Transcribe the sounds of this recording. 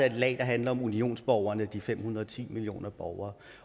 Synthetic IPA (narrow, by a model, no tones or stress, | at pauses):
æe̝d̥lɛ̰ːd̥ɑ̈ɦænlɐɒ̽munio̝̰ːnsb̥ɒʊɐnəd̥ifem̰hunɐɒ̽t͡sʰḭːmilio̝̰ːnɐb̥ɒʊɐː